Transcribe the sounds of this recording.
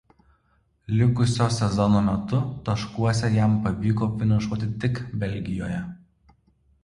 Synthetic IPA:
lʲɪkʊsʲoːsʲɛzɔnoːmʲɛt̪ʊt̪ɐʃkuɔsʲɛjæˑmpɐʋʲiːkoːfʲɪnɐʃuɔt̪ʲɪt̪ʲɪkbʲɛlʲɡʲɪjo̰ːjɛ

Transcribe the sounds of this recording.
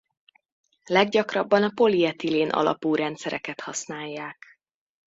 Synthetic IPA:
lɛɡɟɒkrɒbːɒnɒpo̞liɛt̪ileːnʔɒ̰lɒ̰puːɾɛnt̪sɛɾɛkɛt̪hɒsnaːjːaːk

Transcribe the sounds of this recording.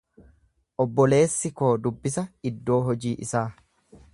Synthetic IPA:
ʔɔbːɔle̞ːsːɪko̞ːd̪ʊbːɪsɐɪd̪ːo̞ːɦɔd͡ʒiːʔɪsaː

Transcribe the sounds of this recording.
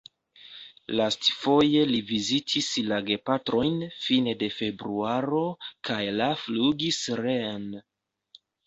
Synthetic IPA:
lastfo̞je̞livizitʰislaɡe̞patɾo̞jnfinede̞fe̞bɾuaɾo̞kʰajlafluɡisɾen

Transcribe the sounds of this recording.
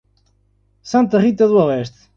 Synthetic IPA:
sɐ̃nt̪ɐʁit̪ɐðuɐlɛʃt̪

